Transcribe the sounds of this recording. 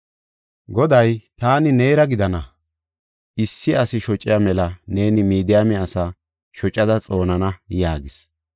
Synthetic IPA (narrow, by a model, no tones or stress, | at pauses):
ɡɔd̪ɐjt̪aːnɪneːɾɐɡɪd̪ɐnɐ | ʔɪsːɪɐsɪʃɔt͡ʃʼːɪjamɛlɐne̞ːnɪmiːd̪ɪjamɛɐsa | ʃɔt͡ʃʼːɐd̪ɐt͡sʼo̞ːnɐnɐjaːɡɪs